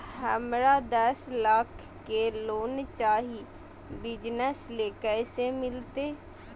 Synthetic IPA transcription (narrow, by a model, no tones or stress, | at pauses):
həmɾad̪əslaːkʰː | keloːnt͡ʃaːɦi | bɪd͡ʒnəsleːkəjsemɪlt̪eː